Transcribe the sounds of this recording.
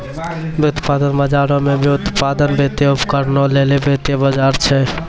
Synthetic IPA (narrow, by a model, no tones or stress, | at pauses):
bʊt̪paːd̪ənbəd͡ʒaːɾõmẽbʱiʊt̪pad̪ənbet̪jeʊpkəɾnolelebet̪ebəd͡ʒaːɾt͡ʃʰɛ